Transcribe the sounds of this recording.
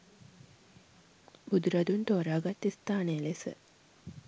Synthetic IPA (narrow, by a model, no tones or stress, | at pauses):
bud̪uɾad̪unt̪oːɾaːɡat̪ːist̪aːnejəlesə̰